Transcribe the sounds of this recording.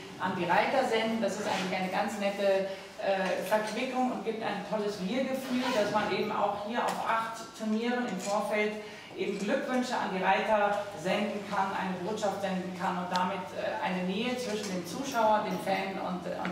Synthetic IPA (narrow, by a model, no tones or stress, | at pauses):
ʔa̰ndiːʁaɪtɐzɛndn̩dasɪstʔaɪŋ̩lɪçaɪnəɡant͡snɛtə | ʔɛːfɛɐkv̥ɪkʊŋʊnt̚ɡ̥iːp̚ta̰ɪntʰɔləsviːɐɡəfyːld̥asmanʔeːbm̩a̰ʊxhiːɐʔa̰ʊfʔaχttʰːʊɐniːʁənɪmfoːɐfɛlt | ʔeːbm̩ɡlʏkv̥ʏnʃəa̰ndiːʁaɪtɐzɛndn̩kʰanʔa̰ɪnəboːtʃaftz̥ɛndn̩kʰanʊnt̚d̥amɪtɛ̰ːʔa̰ɪnəneːət͡sv̥ɪʃn̩deːmt͡suːʃaʊɐdeːnfɛnʊ̰ntʊ̰